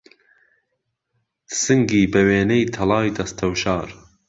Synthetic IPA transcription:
sɨŋɡiːbɛweːnejt̪ʰɐlɑːjd̪ɐst̪ʰɐwʃɑːɾ

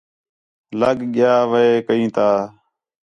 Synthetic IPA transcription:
ləɡɠɪjaːʋəeːkəĩːt̪ʰaː

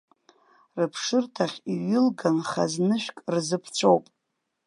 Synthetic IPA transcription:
rɨpʰʂɨrtʰaχʲiɥɪlɡanχa̰znɨʃᶣkʼrzɨpʰt͡sʷʰowpʼ

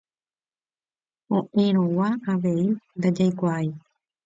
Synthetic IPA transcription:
õʔẽɾ̃õwaaʋe̞ind̪ad͡ʒajkʷai

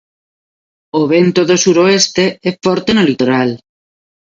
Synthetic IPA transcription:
oβ̞ent̪oðosuɾoest̪eɛfɔɾt̪enolit̪oɾal

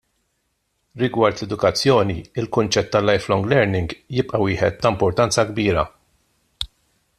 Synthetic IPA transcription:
ɾɪɡwɐɾt̪lɛd̪ʊkɐt͡sːjɔːniɪlkʊnt͡ʃɛt̪ːɐlːɐjflɔŋɡlɛɾnɪŋɡjɪpʼʔɐwɪːħɛt̪ːɐmpɔɾt̪ɐnt͡sɐɡbiːɾɐ̰

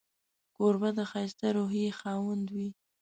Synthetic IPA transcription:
koɾbad̪əxɑjst̪aɾoɦjexɑwand̪wi

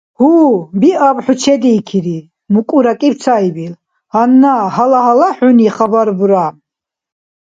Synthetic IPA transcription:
hubiʔabħut͡ʃʰɛd̪iːkʰiɾi | mukʼuɾakʼib̪̚t͡sʰaibil | hanːaɦalaɦalaħuniχabaɾbuɾa

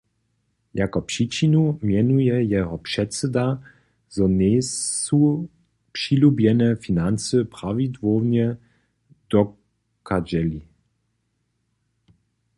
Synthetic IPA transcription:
jakɔpʂit͡ʃinumjɛnujɛjɛɦɔpʂɛtt͡sɛd̪a | zɔneu | pʂilubjɛnɛfinant͡səpʁavid̪vownjɛ | d̪̥ɔ | kʰad͡ʑɛli

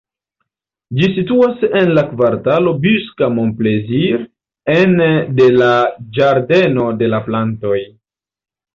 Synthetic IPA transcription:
d͡ʒisituase̞nlakvaɾtalo̞byskamomple̞ziɾ | ende̞lad͡ʒaɾde̞no̞de̞laplanto̞j

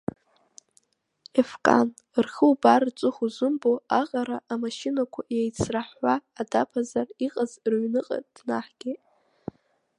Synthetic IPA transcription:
efkʼa̰n | rχəwbart͡sʼʊχuzɨmboaqʼaɾaʔamaʃɪnakʷʰajejt͡sʰraħːaːdapʰazariqʼazrɥnɨqʼa̰d̥naħɡ̥ʲe

